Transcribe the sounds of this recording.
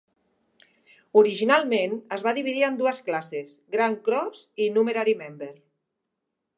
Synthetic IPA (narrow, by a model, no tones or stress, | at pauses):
uɾiʒinalˠmenəzβaðiβiðiənd̪uəsklasesɡɾaŋkɾɔzinumeɾaɾimɛmbeɾ